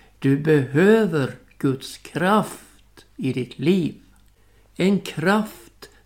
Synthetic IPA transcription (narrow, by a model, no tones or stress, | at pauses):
d̪̥ɵbɛɦøːvəɾ | ɡ̥ɵt̪skʰɾaf | t̪ɪd̪ɪt̪ʰliːv | ɛnkʰɾaft̪